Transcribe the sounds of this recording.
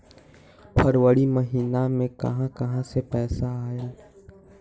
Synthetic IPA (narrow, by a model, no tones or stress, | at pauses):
pʰəɾwəɽimɐɦiːnamẽkɐ̰ɦãkɐɦãsepɛːsaaːeː